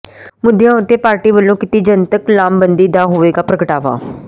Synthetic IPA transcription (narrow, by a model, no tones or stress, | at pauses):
mʊd̪ɪjãːʊt̪ːeːpaːɾʈiːʋəlːõːkɪt̪iːd͡ʒənt̪əklaːmbənd̪iːd̪aːɦoːʋeːɡaːpɾəkəʈaːʋa̰ː